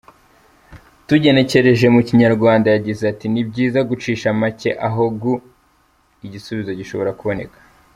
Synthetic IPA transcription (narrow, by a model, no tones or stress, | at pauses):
tuɟe̞ne̞ce̞ɾe̞ʒe̞muciɲaɾɡwaːndajaɟizeatinib̚ɟiːzaɡut͡ʃiːʃamace̞̰ʔaɦoɡu | iɟisuβizo̞ɟiʃo̞βo̞ɾakuβo̞ne̞kḁ